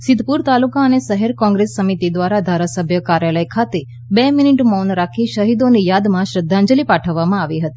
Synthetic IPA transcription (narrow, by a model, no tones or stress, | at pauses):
sɪd̪ʱpuɾt̪alukaənesəɦɛɾkɔ̃ŋɡɾesːəmit̪id̪ʋaɾad̪ʱaɾasəbʱjəkaɾjaləjkʰat̪e | beminiʈmɔnɾakʰiʃəɦid̪onijad̪mãʃɾəd̪ʱːãɲd͡ʒəlipaʈʰəʋːamãaʋiɦət̪i̥